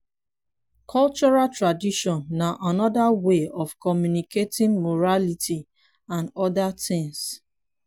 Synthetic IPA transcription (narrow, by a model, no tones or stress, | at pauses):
kʰɔlt͡ʃɔɹaltɹadiʃɔ̃nːaʔanɔdaweɔfkɔmjuniketɪ̃ŋmoɹalitʰi | ãnɔdatɪ̃ŋs